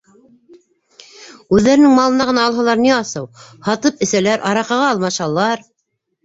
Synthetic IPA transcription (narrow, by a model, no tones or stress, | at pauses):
ʉðːæɾɘ̆nɘŋmɑlˠɤ̆nɑʁɤ̆nɑːlˠɦɑ̆lˠɑɾniɑsɤwhɑt̪ɤpɘ̆sælæɾʔɑɾɑqɑʁɑɑlˠmɑʃɑlˠːɑɾ